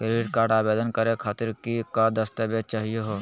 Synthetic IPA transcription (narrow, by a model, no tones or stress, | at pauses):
kɾiːʈkaːɾʈaːbeːd̪ənkəɾekʰaːt̪ɪɾkikad̪əst̪abeːt͡ʃ̚t͡ʃaːɦijoɦoː